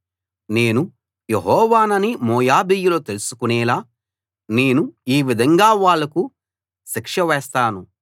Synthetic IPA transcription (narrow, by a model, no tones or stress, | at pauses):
ne̞ːnu | jeɦɔːʋaːnɐnimɔːjaːbiːjulo̞ːt̪e̞lusu̥kunɛːlaː | ne̞ːnuiːʋid̪ʱɐŋɡaːʋaːɭːɐku | ʃikʂɐʋɛːst̪aːnu